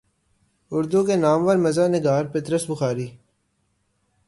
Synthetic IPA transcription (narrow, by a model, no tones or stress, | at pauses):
ʊɾd̪ukenaːmʋəɾmɐzaːnɪɡaːɾpɪt̪ɾəsbʊxaːɾiː